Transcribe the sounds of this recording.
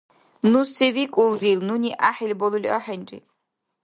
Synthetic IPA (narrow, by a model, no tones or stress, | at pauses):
nusɛvikʼulvilnuniʔaħilʲbɔlulḭʔɔħɛnʲrḭ